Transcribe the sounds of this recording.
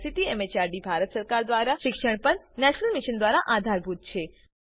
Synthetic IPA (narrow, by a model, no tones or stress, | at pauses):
sit̪iɛmet͡ʃaɾɖibʱaɾət̪səɾkaɾd̪ʋaɾaʃɪkʃəɳ̃pəɾnɛʃnəlmiʃənd̪ʋaɾaʔad̪ʱaɾbʱut̪̚t͡ʃʰe